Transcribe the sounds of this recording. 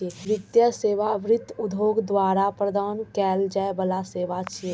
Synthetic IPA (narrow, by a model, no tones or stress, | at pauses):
eɾɪt̪jəseːʋaʋɾɪt̪ːʊd̪ʱoːɡd̪waːɾapɾəd̪aːnkɛːld͡ʒɛebəlaseːʋat͡ʃʰ